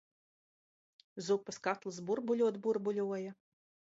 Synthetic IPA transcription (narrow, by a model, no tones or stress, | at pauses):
zupɐskat̪lˠɨsbuɾbulʲuɔt̪buɾbulʲuɔjɐ